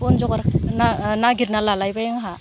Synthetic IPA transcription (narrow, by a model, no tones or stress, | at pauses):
ɔnd͡ʒɔɡaɾnanaɡiɾnalalajbajaŋɦa